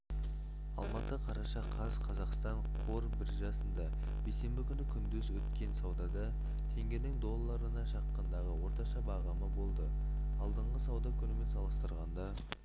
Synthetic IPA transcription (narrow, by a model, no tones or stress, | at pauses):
ɑ̰lˠmɑt̪əqʰɑɾɑʃɑqʰɑzqʰɑzɑqst̪ɑɴqʰo̞ɾbɪɾʒɑsənd̪ɑ | b̥ejse̞mbɪkʲʰʏnɪkʲʰʏnd̪ʏzwɵt̪kʲe̞nsɑwd̪ɑd̪ɑ | t̪ʰe̞ŋɡʲenɪŋd̪o̞lˠːɑɾənɑʃɑqːənd̪ɑʁəwo̞ɾt̪ɑʃɑbɑʁɑməbo̞lˠd̪ə | ɑlˠd̪əɴʁəsɑwd̪ɑkʲʰʏnɪme̞nsɑlˠəst̪əɾʁɑnd̪ɑ